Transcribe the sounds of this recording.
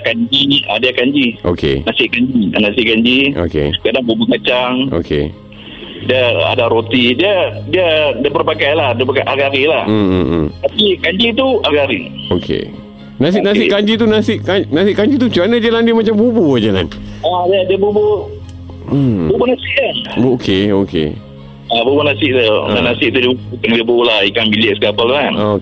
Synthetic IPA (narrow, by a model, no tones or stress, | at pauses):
kaɲd͡ʒia̰diakaɲd͡ʒio̰kḛnasɪʔkaɲd͡ʒia̰nasɪʔkaɲd͡ʒiʔo̰kḛsə̥kadaŋbubukat͡ʃaŋʔo̰kʰḛ | diaa̰daɾot̪idiadiadiabərpakajlahdiapakajʔaɡaɾilah̩ | t̪apikaɲd͡ʒit̪uaɡaɾiokʰḛ | nas̬ɪʔnas̬ɪʔkaɲd͡ʒit̪unasɪʔkanasɪʔkaɲd͡ʒit̪ut͡ʃuɾanəd͡ʒalandiəmat͡ʃambubud͡ʒala̰nadiədiəbubu | bubunasiʔ̚anokʰeokḛ | abubunasɪʔt̪uanasɪʔ̚t̪udibukaŋdiəbuulahikaŋbilɪʔsəkapalt̪ŋank